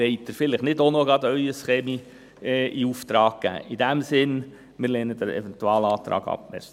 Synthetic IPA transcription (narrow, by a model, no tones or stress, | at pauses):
ɛɪt̪əɾfɪləχnɪdonoɡɑd̪œʏəsχeːmi | ɛʔiuft̪ɾɑːɡ̚kæ̰ːʔid̪æmsɪn | mɪɾleːnəd̥̪əɾɛ̰vɛntuɑːlɑːt̪ɾɑ̰ːɡɑ̰pmɛ̰ɾs